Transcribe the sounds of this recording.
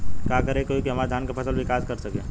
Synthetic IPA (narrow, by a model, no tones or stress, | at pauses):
kaːkəɾekoːikeɦɐmaːd̪ʱaːnkapʰɐsəlbʱikaːzkɐɾsɐkẽː